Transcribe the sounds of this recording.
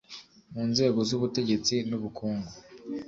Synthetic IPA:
muːnze̞ːɡo̞zuβute̞ɟe̞t͡sinuβukuːŋɡo

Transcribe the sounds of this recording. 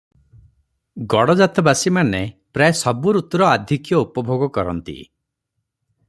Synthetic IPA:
ɡɔɽɔd͡ʒat̪ɔbasimanepɾaesɔbuɾut̪ɔɾɔad̪ʱikjɔupɔbʱoɡɔkɔɾɔ̰nt̪ḭ

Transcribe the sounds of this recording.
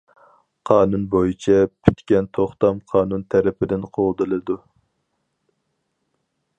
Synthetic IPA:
qʰɑːnunbojit͡ʃʰɛpʰy̥t̪kʲɛnt̪ʰoχt̪ɑmqʰɑːnunt̪ʰæɾɪpʰɪd̪ɪnqʰold̪ɨlˠɨd̪u

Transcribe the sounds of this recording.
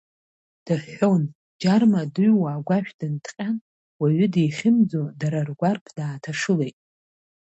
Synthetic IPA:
d̥aħo̞n | d͡ʒarmadɨɥwaːɡʷaʃᶣdɨntʰqʲʼan | waɥʏdijχʲɪmd͡zodaɾarɡʷarpʰd̥aːtʰaʂɨlejtʼ

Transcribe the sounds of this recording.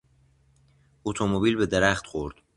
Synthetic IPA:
ot̪ʰomobilbed̪eɾæχt̪xoɾd̪̥

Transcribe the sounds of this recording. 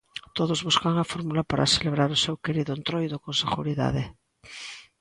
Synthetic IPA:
t̪oðozβuskaŋafoɾmulapaɾa̰seleβ̞ɾaɾosewkeɾiðʊent̪ɾojðokonseɣṵɾiða̰ðe

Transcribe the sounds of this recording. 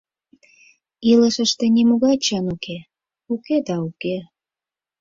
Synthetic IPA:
iləʃəʃt̪ĕnemuɣɑt͡ɕɑnuke | uked̪ɑuke

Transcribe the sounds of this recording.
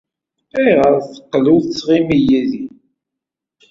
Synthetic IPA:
iʁəɾˤθə̥qːluθt͡sːʁimijæði

